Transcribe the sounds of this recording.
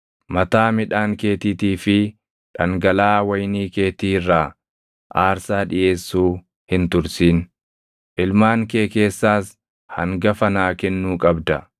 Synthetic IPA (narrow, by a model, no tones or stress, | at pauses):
mɐt̪aːmɪᶑaːŋke̞ːt̪iːt̪iːfɪ | ᶑɐŋɡɐlaːwɐjniːke̞ːt̪iːrːaː | ʔaːɾsaːᶑɪjʔe̞ːsːuː | hɪnt̪ʊɾsiːn | ʔɪlmaːŋke̞ːke̞ːsːaːs | hɐŋɡɐfɐnaːkɛnːuːkʼɐbd̪ɐ